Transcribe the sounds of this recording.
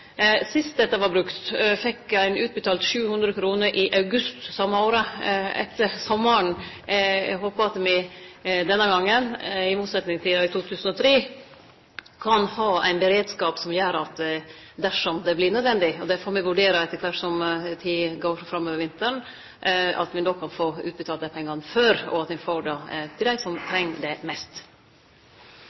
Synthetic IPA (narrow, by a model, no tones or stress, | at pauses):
sɪst̪̚d̪ɛt̪ːɑʋɑɾbɾʉkt̪fɛkːæɪnʉːt̪̚bət̪ʰɑːlt̪ʃʉːhʉnd̪ɾəkʰɾuːnəɾʔɪʔɑʉɡʉst̪sɑmːəoːɾəɛ̰t̪ːəɾsɔmːəɳ | ɦoːpəɑt̪mɪd̪ɛnːəɡɑŋːənɪmuːt̪sɛt̪nɪŋst̪ʰiːɑɪt̪ʰuːt̪ʰʉːsən̩ɔt̪ʰɾeː | kʰɑnhɑːæ̰ɪnbəɾeːd̪skɑːpsɔmjøːɾɑt̪ | d̪æʂɔmd̪ɛblɪnœd̪ʋɛnd̪ɪɔd̪ɛfoːɾmɛʋʉɖeːɾəɛt̪ːəkʰʋæʈsɔmt̪ʰiɡoːfɾɑmːøːʋəɾʋɪnt̪əɳ | ɑ̰t̪mɪnoːkʰɑnfoːʉ̰ːt̪bət̪ʰɑːlt̪əpʰɛŋːɑnføːɾɔ̰ɑt̪ɪfoːɖɑt̪ʰɪld̪æɪsɔmt̪ʰɾɛŋːd̪ɛmɛst̪